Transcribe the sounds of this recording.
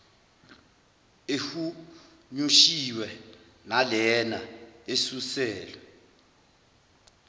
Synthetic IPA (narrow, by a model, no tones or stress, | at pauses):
ehu | ɲuʃiwɛ | nalɛnaesusɛːlɛ